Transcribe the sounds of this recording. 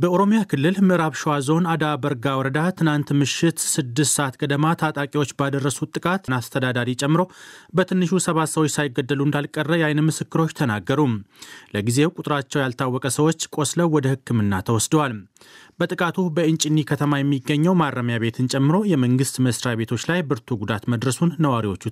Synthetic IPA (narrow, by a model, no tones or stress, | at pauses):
bəoɾo̞mijakʰɨlːɨlmɨʔɾaβʃwazo̞nad̪abəɾɡawɔɾəd̪at̪ʰɨnant̪mɨʃɪt̪sɨd̪ːɨst̪səʔat̪kʼəd̪əmat̪ʰat̪ʼakʼiwo̞t͡ʃːbad̪ərːəsut̪ʼːɨkʼat̪nast̪ʰəd̪ad̪aɾit͡ʃʼɛmːɨɾo̞bət̪ʰɨnːɨʃusəβat̪səwot͡ʃːsajɪɡːəd̪ːəluɨnd̪alkʼərːəjajnɨmɨsɨkːɨɾo̞t͡ʃːt̪ʰənaɡːəɾumləɡize̞wkʼut̪ʼɾat͡ʃːɛwjalt̪ʰawːɔkʼəsəwot͡ʃːkʼo̞sləwwɔd̪əhɨkːɨmɨnːat̪ʰəwɔsd̪əwal | bət̪ʼɨkʼat̪ʰubəɨnt͡ʃʼɪnːikʰət̪ʰəmajɛmːiɡːəɲːɛwmarːəmjaβe̞t̪ʰɨnt͡ʃʼɛmːɨɾo̞jɛməŋɡɨst̪məsɾjaβe̞t̪ʰo̞t͡ʃːlajbɨɾt̪ʰuɡud̪at̪məd̪ɾəsunːəwaɾiwo̞t͡ʃːu